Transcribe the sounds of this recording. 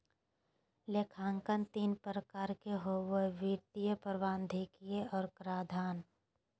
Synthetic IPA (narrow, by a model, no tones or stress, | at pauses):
lekʰaːŋkənt̪iːnpɾəkaːɾkeɦoweʋiːɾt̪ijəpəɾʋaːnd̪ʱeːkijeɔːɾkɾaːd̪ʱaːn